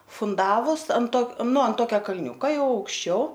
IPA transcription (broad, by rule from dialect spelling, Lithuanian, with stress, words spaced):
fʊnˈdɑːʋʊs ɐnt ˈtoː ˈnʊ ɐn ˈtoːkʲɛ kɐlʲˈnʲuːkɐ ˈjɛʊ ɐʊkʃʲˈt͡ʃʲɛʊ